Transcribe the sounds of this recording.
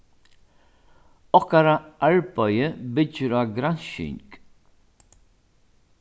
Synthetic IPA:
ɔhkaɾaʔaɹbœjəbɪt͡ʃːəɾaːɡɾanʃɪ̰ŋk

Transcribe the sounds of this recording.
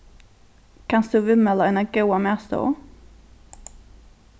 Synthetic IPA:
kʰansd̪̥ʉvʉmɛləɛnaɡuːamɛst̪o̰ː

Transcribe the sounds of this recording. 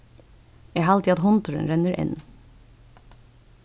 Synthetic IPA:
jæːhɑːlt̪iːɑt̪hɔnt̪ʊɾə̰nɾɛnəɾʔɪ̰n

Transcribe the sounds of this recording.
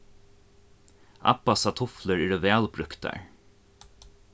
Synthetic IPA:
ʔɑ̰pasɑt̪ʰʊfləɹɛːɖoʋæːlbɾʉkt̪ɑ̰ɹ

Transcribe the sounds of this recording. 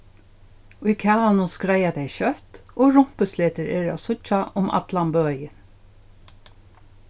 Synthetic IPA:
ʊjkʰaːanʊskɾajad̪ɛjʃœht̪oːɹʊm̥pəsleːt̪əɹɛ̰ːɹasʊt͡ʃaʔʊmʔa̰t̪lambøːjə

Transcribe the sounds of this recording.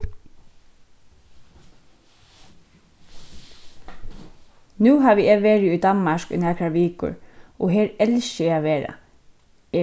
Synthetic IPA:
nʉːɦaːʋɪeːʋeːɹɪʊjd̪ɑnmaʃkʏ̰nɛːkɾaʋiːkʊ̰ɹʔɔɦeːɹɛlsɪaʋeːɾa̰ | ɛ

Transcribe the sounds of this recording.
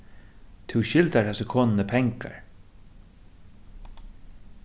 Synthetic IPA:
t̪ʰɪwʃɪlt̪aɹhasəkʰɔːnnəpʰɛŋka̰ɹ

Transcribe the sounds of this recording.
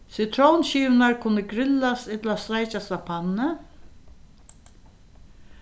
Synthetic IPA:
sɪt̪ʰɾɔwnɕiːvnaɹkʰʊnːəɡɾɪlast̪ɪt̪last̪ɾajt͡ʃast̪apʰanːə

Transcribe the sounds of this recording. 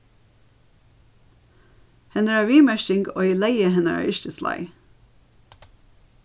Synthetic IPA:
hɛnəæːʋiːmæʃɪŋɡo̰ːiːlæɪəhɛnəæ̰ːʔɪʃt̪əslɑ̰ɪ

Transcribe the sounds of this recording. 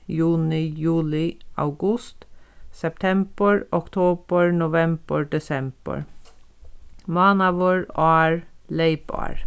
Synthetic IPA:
jʉːnɪjʉːlɪʔa̰ʊɡʊst̪sɛp̚t̪ʰɛmb̥əɹɔkt̪ʰoːb̥əɹnʊʋɛmb̥əɹɖɛsɛmb̥ə̰ɹ | mɑːnɑʋoːɹɑːɹleɪbɑ̰ɹ

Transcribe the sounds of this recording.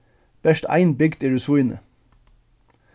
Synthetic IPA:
b̥ɛʃt̪æ̰ɪnbʏɡd̪iːɹʉsuːnə̰

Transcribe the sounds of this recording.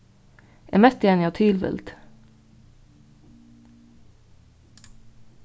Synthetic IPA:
ʔḛːmɛst̪eːnɪɑːt̪ʰyːlʋɪ̰lt̪

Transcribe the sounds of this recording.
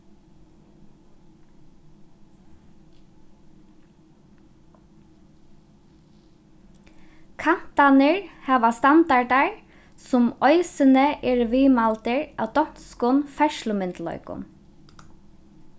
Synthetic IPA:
kʰan̥t̪anəɹhɑːʋast̪and̪aɖaɹ | sʊmɔʏsənəʔɛːɹʋiːmalt̪əɹa̰ːwd̪ɔn̥t̪skʊnfɛʃlʊmɪnt̪lœ̰ʏkʊ̰n

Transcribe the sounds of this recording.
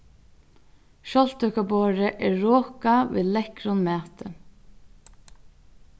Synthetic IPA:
ʃɔl̥t̪œkaboːɾəʔɛːɹɔːkaʋḭːlɛkɾʊnmæːt̪ə

